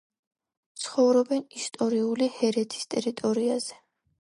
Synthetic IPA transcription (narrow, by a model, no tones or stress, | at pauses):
t̪sʰχɔvɾɔbɛnist̪ʼɔɾiulihɛɾɛt̪ʰi̥st̪ʼɛɾit̪ʼɔɾiaz̥ɛ̥